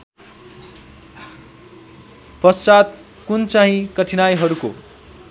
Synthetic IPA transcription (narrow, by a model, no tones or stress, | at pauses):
pʌst͡sat̪ | kunt͡saɦĩkʌʈʰinajɦʌɾuko̰